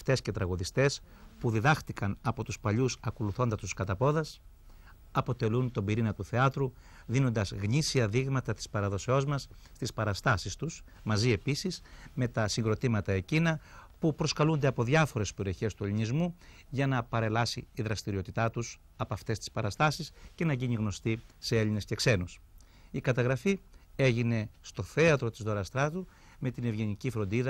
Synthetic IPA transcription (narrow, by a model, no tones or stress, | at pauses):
ft̪e̞sce̞t̪ɾɐɣoðist̪e̞s | puðiðɐxt̪ikɐnɐpo̞t̪uspɐʎusɐko̞luθo̞nd̪ɐst̪u̥skɐt̪ɐpo̞ðɐs | ɐpo̞t̪e̞lunt̪o̞mbiɾinɐt̪uθeɐt̪ɾu | ðino̞nd̪ɐzɣɲisiɐðiɣmɐt̪ɐt̪i̥spɐɾɐðo̞seo̞zmɐsː | t̪ispɐɾɐst̪ɐsist̪us | mɐzie̞pisisme̞t̪ɐsiŋɡɾo̞t̪imɐt̪ɐe̞cinɐpupɾo̞skɐlund̪e̞ɐpo̞ðʝɐfo̞ɾe̞speɾio̞çe̞st̪ue̞linizmu | ʝɐnɐpɐɾe̞lɐsḭːðɾɐst̪iɾio̞t̪it̪ɐt̪us | ɐpɐft̪e̞st̪i̥spɐɾɐst̪ɐsisce̞nɐʝiɲiɣno̞st̪ise̞e̞line̞sce̞kse̞nus | ikɐt̪ɐɣɾɐfie̞ʝine̞st̪o̞θe̞ɐt̪ɾo̞t̪izðo̞ɾɐst̪ɾɐt̪u | me̞t̪ine̞vʝe̞nicifɾo̞nd̪iðɐ